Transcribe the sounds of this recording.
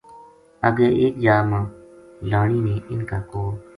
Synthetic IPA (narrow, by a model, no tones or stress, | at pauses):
əɡeːʔeːk̚d͡ʒaːmãːlaːɳiːnẽːʔɪnkaːkoː